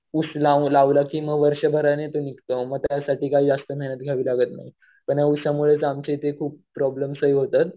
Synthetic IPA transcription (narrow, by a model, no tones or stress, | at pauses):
uslãlaʋlakiːməɡʋəɾɕəbʱəɾanet̪onikt̪əməɡ̚t̪jasaʈiːkaiːd͡zast̪əmɛnət̪̚ɡʱjaʋiːlaɡət̪na̰ɦi | pəɳjausamuɭet͡samt͡ɕet̪ekʰuːpːɾɔbləmsəɦiɦot̪at̪